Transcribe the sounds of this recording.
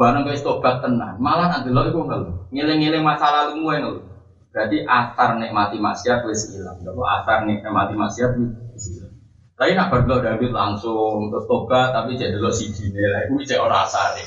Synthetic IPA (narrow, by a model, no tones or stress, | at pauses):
baɾəŋkɔjust̪ob̥at̪̚kəna̰nmalahnaʔd̪ə̤lɔikuŋɡaloŋelɪŋːelɪŋmasalalumuɛŋəlu | b̥ɾad̪iʔasarnɛʔmat̪ima̰ʔsiat̪̚wesəilaŋdalɔ̰ʔa̰sarnɛʔɛmat̪ima̰siat̪̚iisila | ɾainaʔb̥ərd̪əlɔdamɪt̪̚la̰ŋsʊŋt̪ob̥at̪ːapid͡ʒad̪ə̤lɔsi̥d͡ʒinelaʔuwit͡ʃɛʔoɾaa̰sarɛ̰